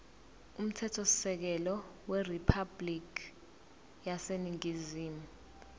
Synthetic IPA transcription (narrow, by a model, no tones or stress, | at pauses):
um̩tʰɛtʰɔsɛk̬ɛlɔwɛripʰablik | jaseniŋiziːmu